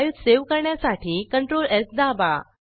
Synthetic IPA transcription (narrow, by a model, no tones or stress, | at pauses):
jut̪seʋkəɾɳjasaʈʰiːkəɳʈɾoleɾkd̪aba̰